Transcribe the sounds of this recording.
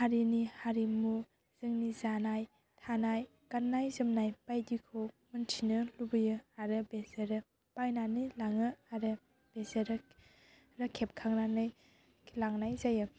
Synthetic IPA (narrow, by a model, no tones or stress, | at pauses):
haɾinihaɾimu | z̥ɯŋnizanaj | tʰanaj | kanːajzɯmnajpajdikʰo | mɯntʰinɯlubɯjɯaɾɯbezeɾɯ | pajnanɯjlaŋɯaɾɯ | b̥ezeɾɯ | ɾakʰep̚kʰaŋnanɯj | laŋnajzajɯ